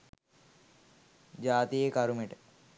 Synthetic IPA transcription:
d͡ʒaːt̪ijekɐɾumeʈə

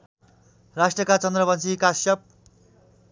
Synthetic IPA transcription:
rasʈrʌkat͡sʌnd̪rʌbʌnt͡sʰikasjʌp̚

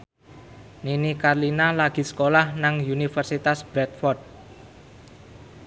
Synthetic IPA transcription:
ninikarlinalaɡ̥i̤sə̥kolahnaŋunifərsit̪asb̥ɾɛt̪̚fɔrd̪̚

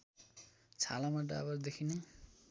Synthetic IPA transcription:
t͡sʰalamaʈ̬a̰a̰βaɾd̪ekʰine

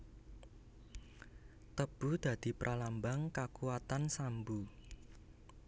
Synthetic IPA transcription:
t̪əb̥ṳd̪̥ä̤d̪̥i̤pɾʔalambaŋkakuwat̪ansambu

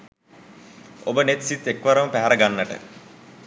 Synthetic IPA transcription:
obənet̪sit̪ːekʋəɾəməpæɦæɾəɡanːəʈə̰

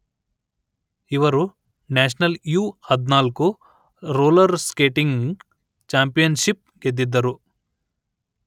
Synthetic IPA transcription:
iʋɐɾu | naːʃɐnɐljuːɐd̪naːluku | ɾoːlɐɾskeːʈiŋɡ | t͡ʃaːmpijɐnʃip̚ | ɡed̪ːid̪ːɐɾu

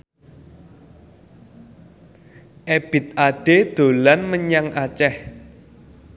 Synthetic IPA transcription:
ʔeb̥ɪ̤t̪̚aɖ̥ed̪̥o̤lanməɲaŋʔat͡ʃɛh

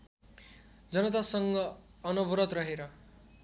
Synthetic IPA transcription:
d͡zʌnʌt̪̬asʌŋɡʌːnʌbɾʌt̪rʌɦeɾʌ

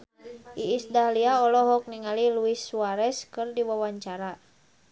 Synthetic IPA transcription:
ʔiːsdaliaɔlɔɦɔk̚niŋaliluiswaɾɛskɨrdiwawaɲt͡ʃaɾa

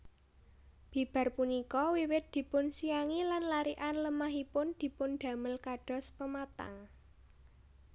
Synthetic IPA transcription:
b̥i̤b̥ä̤rpunikɔwiwɪt̪̚d̪̥i̤pʊnsijaŋilanlaɾiʔanləmaɦipʊnd̪̥i̤pʊnɖ̪̥ä̤məlkaɖ̥ɔ̤spəmat̪a̰ŋ

